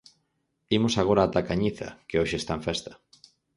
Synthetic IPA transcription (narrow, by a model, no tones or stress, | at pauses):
imʊsaɣ̞oɾaːt̪akaɲiθa̰keoʃeːst̪aẽfɛst̪ɐ̥